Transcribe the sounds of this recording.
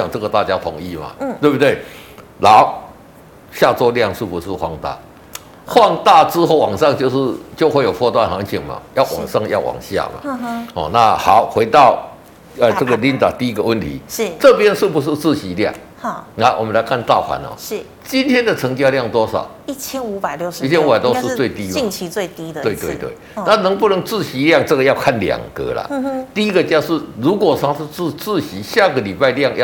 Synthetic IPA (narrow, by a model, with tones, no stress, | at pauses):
a˨˩ŋt͡sɤ˥˩ɡə˨t̪a˥˩t͡ɕja˥t̪ʰo˨˧˥ŋi˥˧ma̰˨t̪we˥˧bu˧t̪we˥˩ | la˨˦ʊ | ɕja˥˧t͡swɔ˥˧lja˥˨ŋʂ̩˥˩pu˨˦ʂ̩˥˧xwa˥ŋt̪a̰˥˩ | xwa˥˧ŋt̪a˥˧t͡sɹ̩ɻ̩˦xo˥˩ʊwɑ˨˩ŋʂɑ˥˧ŋt͡ɕjo˥˧ʊʂɻ̩˥˧t͡ɕjo˥˧xwe˥˩ɪjo˨˩fɔ˥˧t̪wa˥˨nha˧˥˦ŋt͡ɕʰi˨˩ŋma̰˨jɑ˥˩ʊwʔɑ̰˨˩ŋʂɑ˥˧ŋjɑ̰˥˩ʊwʔɑ̰˨˩ŋɕja̰˥˩ma̰˨˩hɔ̰˨˩na˥˧ha˨˦ʊxwe˧˥ɪt̪ɑ˥˨ʊ | ə˨t͡sə˥˩ɡə˨li˥˦nt̪a̰˨˩t̪i˥˧i˦˥ɡə˨˧wə˥˨nt̪ʰḭ˨˦˥t͡sɤ˥˧pjɛ˦nʂ̩˥˩pu˨˩ʂ̬ɻ̩˥˧t͡sɹ̩˥˨ɕi˨˦lja̰˥˨˩ŋ˥˩ | na˥˧wɔ˨˩mə˨˦nla˧˦ɪkʰa˥˧nt̪ɑ˥˨ʊxwa̰˨˦nhɔ̰˨˥˩ | t͡ɕi˦nt̪ʰjɛ˦˥nd̪ə˨t͡sʰə˧˦˥ŋt͡ɕja˥˧lja˥˩ŋt̪wɔ˥sɑ̰˨˩ʊi˥˩t͡ɕʰjɛ˥nu˧˥pa˨˩ɪljo˥˩ʊʂi˥˩ɛ˦nu˧˥pa˨˩ɪt̪o˥ʊʂɻ̩˧t͡swe˥˧ɪt̪i˦i˥˧ŋt͡ɕʰi˧we˥˩ɪt̪i˥t̪we˥˧ɪt̪we˥˧ɪwḛ˥˩ɪna˥˨nə˧˦ŋpu˥˩nə˧˥ŋt͡sɹ̩˥˧ɕi˨˧˦lja˥˧ŋt͡sə˥˧ɡə˩ja˥˧ʊkʰa˥˩nlja̰˨˩ŋkə̰˧˦la̰˨t̪i˥i˦˥ɡə˨t͡ɕja˥˧ʊʂ̩˥˩ɻu˨˧˥kwɔ˨˩ʂa˥ŋʂ̩˥˧t͡sɹ̩˥˧t͡sɹ̩˥˧˨ɕi˨˦ɕja˥˨ɡə˨li˨˩pa˥˧ɪlja˥˧ŋj